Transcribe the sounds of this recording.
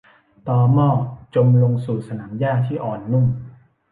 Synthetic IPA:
t̪ɔː˧mɔː˥˩t͡ɕo˧mlo˧ŋsuː˨˩sa˧naː˩˦mjaː˥˩t̪ʰiː˥˩ʔɔː˨˩nːu˥˩ŋ

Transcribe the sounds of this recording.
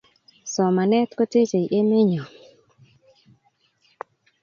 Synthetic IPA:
sɔ˨ma˨nɛ˦tko˦te˦d͡ʒe˨jʔe˦me˦ɲɔ˨

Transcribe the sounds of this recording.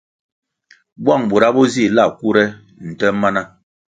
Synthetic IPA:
bwa˦˨ŋbu˨ɾa˦bɔ˦zi˦˨la˦˨ku˦ɾɛ˦ | n̩˨tɛ˦ma˦na˦

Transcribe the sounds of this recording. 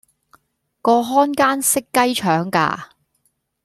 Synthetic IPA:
kɔː˧ɦɔː˥nkaː˥nsɪ˥kːɐ˥jt͡ʃʰœː˨˥ŋka̰ː˧

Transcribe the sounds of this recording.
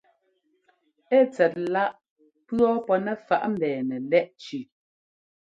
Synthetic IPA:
ɛ˦˨t͡sɛ˨t̚la˦ʔ | pɰɔ˦pɔ˦nɛ˦˨fa˨ʔm̩˦˨bɛː˨nɛ˨lɛ˦ʔt͡ʃʉ˨

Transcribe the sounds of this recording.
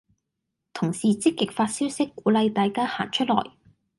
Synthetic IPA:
t̪ʰʊ˨˩ŋsiː˨˩t͡sɪ˥kːɪ˨k̚faː˧t̚siː˥wsɪ˥kːuː˨˥lɐ˧jt̪aː˨jkaː˥ha̰ː˨˩nt͡ʃʰɵ˥t̚lɔ̰ː˨˩j

